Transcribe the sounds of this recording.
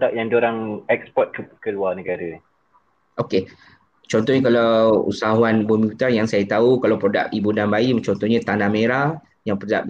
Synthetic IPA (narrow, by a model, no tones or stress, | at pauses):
dak̚jaŋd͡ʒoɾaŋɛkspɔt̪̚kəkəluanəɡaɾə | ʔoke | t͡ʃɔnt̪ɔhɲakalaṵsaɦuanbumiut̪anjaŋsajat̪aukalawpɾoda̰kibunanbaimt͡ʃɔnt̪ɔhɲat̪anameɾa | jaŋpəda̰ʔ̚